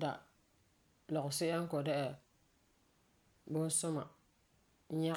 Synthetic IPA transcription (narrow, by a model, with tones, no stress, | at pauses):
da̰˨ | lɔ˨ɣʊ˨sɪ˦a˦ŋ˦kɔ˨dɛ˦ʔɛ˨ | bʊ˦n˦sʊ˦ma̰˨˦ | ɲa˦